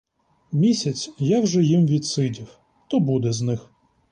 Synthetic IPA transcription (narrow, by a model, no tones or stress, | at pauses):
mʲisʲɐt͡sʲjawʒɛjimʋʲidt̪sɪdʲiw | t̪ɔbud̪ɛznɪx